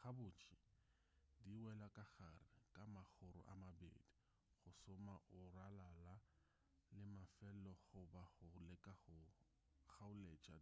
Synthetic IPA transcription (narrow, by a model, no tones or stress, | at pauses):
χabʊːt͡ʃʰɪ | diwɛlakʼaɣarɪkʼamaχʊɾʊ̰ʔa̰mabḛːdi | χʊsʊmaʔʊralala | lɪmafɛlɔɣʊbaχʊlɛkʼaχʊ | χaʊlet͡ʃʼa̰